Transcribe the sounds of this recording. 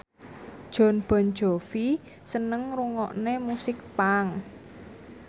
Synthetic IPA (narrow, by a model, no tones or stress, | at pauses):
d̥ʒ̥ɔ̤nb̥ɔ̤n̥d͡ʒ̥ɔ̤fi | sənəŋɾuŋɔʔnemusɪk̚paŋ